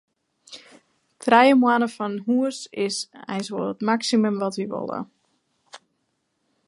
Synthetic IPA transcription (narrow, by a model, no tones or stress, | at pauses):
tʰrɛjəmwanəfɔnɦuəsɪsɛ̰jsʋolˠətmaksiməmʋɔtʋiʋo̰lˠə̰